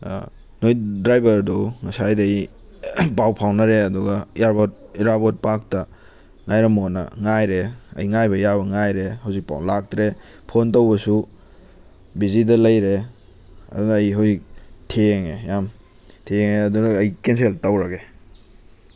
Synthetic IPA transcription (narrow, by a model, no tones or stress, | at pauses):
nojdɾajbɐɾduŋɐsajdɐj | bawpʰawnɐɾeɐduɡɐijaɾbot̚iɾaɾbot̚pak̚tɐ | ŋajɾɐmonɐ̰ŋajɾeɐ̰jŋajbɐjaβɐŋajɾehawzik̚pa̰wlak̚tɾe | pʰontɐwbɐsu | bizidɐlɐjɾe | ɐ̰dunaːjɦawzik̚tʰeŋejam | tʰeŋeɐdunɐːjkens̬eltɐwɾaɡe